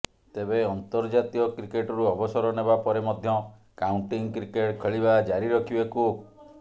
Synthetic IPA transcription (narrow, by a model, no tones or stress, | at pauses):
t̪ebeɔnt̪ɔɾd͡ʒat̪iɔkɾikeʈɔɾuɔbɔsɔɾɔnebapɔɾemɔd̪ʱjɔ | kauɳʈiŋkɾikeʈkʰeɭibad͡ʒaɾiɾɔkʰibeku